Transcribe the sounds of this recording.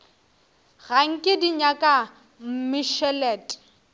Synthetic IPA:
ɣaŋ̩kʼɪdiɲakʼa | m̩mɪʃɛlɛːtʼ

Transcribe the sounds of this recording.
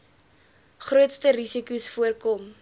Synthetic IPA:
χruətstəɾisikusfuərkɔm

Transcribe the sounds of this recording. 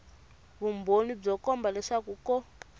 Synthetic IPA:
βumbonib͡ʐɔkɔmbalɛʂakukɔ

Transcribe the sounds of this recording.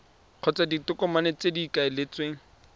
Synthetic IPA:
q͡χʰɔt͡saditʊkɔmanet͡sedikaɪlɪt͡sweŋ̩

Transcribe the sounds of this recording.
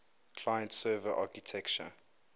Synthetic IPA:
kʰl̥ajə̃ntsɜːvəʔaːkitʰɛkt͡ʃə̰

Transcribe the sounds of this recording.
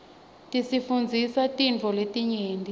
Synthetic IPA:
tʼisifund͡zʱisatʼind͡ɮʱɔletʼiɲeːndʱʼi

